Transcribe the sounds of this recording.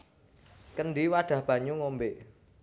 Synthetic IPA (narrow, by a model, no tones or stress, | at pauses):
kənɖiwaɖ̥a̤hb̥ä̤ɲuŋombeʔ